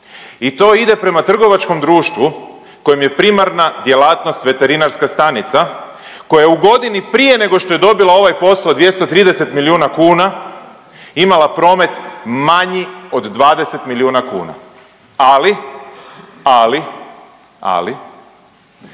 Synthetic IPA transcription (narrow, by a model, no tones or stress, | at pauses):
it̪o̞id̪e̞pɾe̞mat̪r̩ɡo̞ʋat͡ʃko̞md̪ɾuːʃt̪ʋu | ko̞jemje̞pɾimaɾnad̪je̞laːt̪no̞st̪ʋe̞t̪e̞ɾinaɾskast̪anit̪sa | ko̞jajeuɡo̞d̪inipɾije̞ne̞ɡo̞ʃt̪o̞jed̪o̞bilao̞ʋajpo̞saod̪ʋje̞st̪ot̪ɾiːd̪ese̞t̪miliuːnakuːna | imalapɾo̞ːme̞t̪maɲio̞d̪ːʋaːd̪e̞se̞t̪miliuːnakṵːna̰ | ali | ali | a̰li